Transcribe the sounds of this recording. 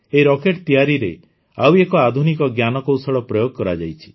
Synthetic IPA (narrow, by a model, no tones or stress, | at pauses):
eɾɔkeʈt̪ijaɾiɾe | awekɔad̪ʱunikɔɡjanɔkowsɔɽɔpɾɔjoɡ̚kɔɾad͡ʒajt͡ʃʰi̥